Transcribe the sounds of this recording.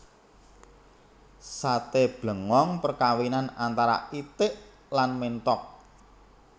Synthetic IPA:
sat̪eb̥lə̤ŋɔŋpərkawinanant̪aɾa̰it̪ɪʔ | lanment̪ɔk̚

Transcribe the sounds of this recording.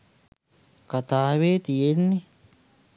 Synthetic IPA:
kat̪aːʋeːt̪ijenːe

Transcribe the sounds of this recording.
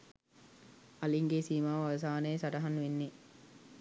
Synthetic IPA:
ɐliŋɡesiːmaːʋɐʋɐs̬aːneːsɐʈɐɦɐnːuʋenːeː

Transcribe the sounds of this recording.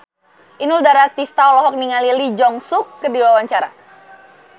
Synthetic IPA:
ʔinuldaɾat̪ist̪aɔlɔɦɔk̚niŋalilid͡ʒɔŋsʊkːərdiwawaɲt͡ʃaɾa̰

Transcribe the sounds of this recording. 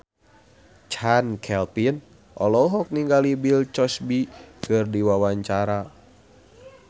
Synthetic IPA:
t͡ʃankʰɛlpin | ʔɔlɔɦɔk̚niŋɡalibilt͡ʃɔsbikɨrdiwawaɲt͡ʃaɾa

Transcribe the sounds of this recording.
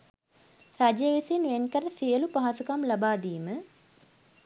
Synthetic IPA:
rad͡ʒjəʋisinʋenkəɾəsijəlupaɦasukamlabaːd̪iːmə

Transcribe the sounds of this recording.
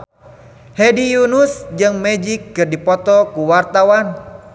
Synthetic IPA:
hɛdijunusd͡ʒɨŋmɛd͡ʒikːɨrdipɔt̪ɔkuwart̪awan

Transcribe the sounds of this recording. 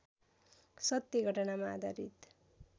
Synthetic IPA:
sʌt̪jeɡʱʌʈʌnamaːd̪ʱaɾḭt̪

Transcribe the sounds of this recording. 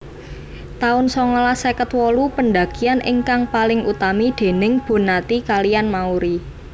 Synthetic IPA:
t̪aʊnsɔŋɔlasɛkət̪wɔlupənd̪a̤ɡ̥ianʔɪ̰ŋkaŋpalɪŋut̪amid̪̥e̤nɪŋb̥o̤nat̪ikalijanmauɾi

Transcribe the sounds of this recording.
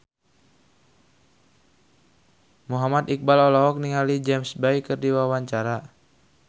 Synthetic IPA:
muɦamat̪ik̚balɔlɔɦɔk̚niŋalid͡ʒɛmsbajkərdiwawaɲt͡ʃaɾa

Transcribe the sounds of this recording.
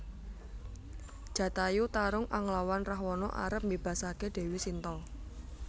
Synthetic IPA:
d̥ʒ̥ä̤t̪ajut̪aɾʊŋʔaŋlawanrahwɔnɔʔa̰ɾəp̚mbeb̥ä̤sakeɖ̥e̤wisint̪ɔ

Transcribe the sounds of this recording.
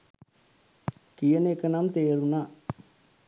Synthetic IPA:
kijɐnekːɐnamt̪eːɾuna

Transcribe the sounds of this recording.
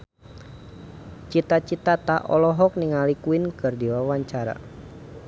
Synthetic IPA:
t͡ʃit̪at͡ʃit̪at̪aʔɔlɔɦɔk̚niŋalikuinkɨrdiwawaɲt͡ʃaɾa̰

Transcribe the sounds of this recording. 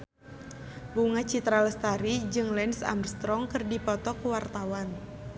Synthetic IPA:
buŋat͡ʃit̪ɾaləst̪aɾid͡ʒɨŋlɛnsa̰mrst̪ɾɔŋkɨrdipɔt̪ɔkuwart̪awan

